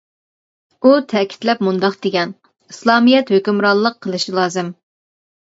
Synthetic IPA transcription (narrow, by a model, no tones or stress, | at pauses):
ut̪ʰɛkʲʰi̥t̪lɛpmund̪ɑqd̪̥eɡʲɛn | islˠɑːmijɛt̪høkʲymɾɑnlˠəqʰːəlˠɨʃilˠɑːzɨm